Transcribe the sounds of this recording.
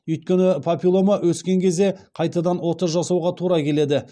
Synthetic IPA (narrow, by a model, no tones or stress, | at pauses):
ʏjt̪̚kʲe̞nɪpʰopʲilˠo̞mɑwɵskʲe̞ŋkʲʰe̞zd̪e̞qʰɑjt̪ɑd̪ɑnwo̞t̪əɾʒɑsɑwʁɑt̪ʰuɾɑkʲʰe̞le̞d̪ɪ